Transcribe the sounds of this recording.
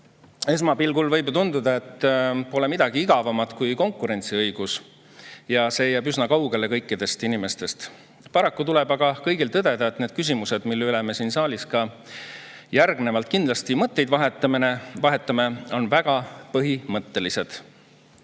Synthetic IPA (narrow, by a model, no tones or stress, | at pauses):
e̞s̬mɑpilɡulvɤjbt̪und̪ud̪ɑe̞t̪ːpo̞lemid̪ɑɡ̥iiɡ̥ɑvɑmɑd̪̥kujko̞ŋkːˑuɾe̞nʲt̪siɤjɡ̥us | jɑse̞ːjæːbysnɑkɑwɡ̥e̞le̞kɤjkːˑid̪̥e̞st̪inime̞st̪e̞st̪ | pɑɾɑkːut̪ulɛbɑɡ̥ɑkɤjɡilt̪ɤd̪̥e̞d̪ɑt̪ːne̞ːd̪̥kys̬imuse̞d̪̥milːylɛmesiːnsɑːlʲiskɑ | jærɡnevɑlt̪̚kind̪lɑst̪imɤt̪ːe̞jd̪vɑɦe̞t̪ːˑɑmine̞vɑɦe̞t̪ːˑɑmeo̞nvæɡ̥ɑpɤɦimɤt̪ːe̞lise̞d̪̥